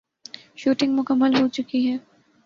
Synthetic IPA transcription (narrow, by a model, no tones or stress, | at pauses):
ʃuːʈɪ̃ŋɡmʊkəmːəlɦot͡ʃʊkiɦɛː